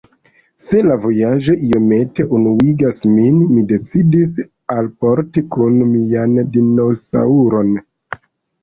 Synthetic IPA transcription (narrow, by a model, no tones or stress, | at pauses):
se̞lavo̞jaʒo̞ʔio̞me̞te̞ʔunuiɡasminmide̞t͡sidis̬ | alpo̞ɾtikunmiandino̞sa̰uɾo̞n